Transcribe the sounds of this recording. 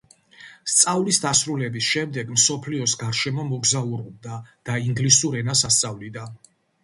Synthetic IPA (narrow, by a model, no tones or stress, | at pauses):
st̪sʼavlisd̪asɾulɛbisʃɛmd̪ɛɡmsɔpʰliɔsɡaɾʃɛmɔmɔɡzauɾɔb̚d̪ad̪̥aiŋɡlisuɾɛnasast̪sʼavlid̪an